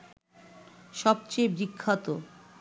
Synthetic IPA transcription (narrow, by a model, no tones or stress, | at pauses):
ʃɔb̚t͡ɕejbɾikʰːat̪o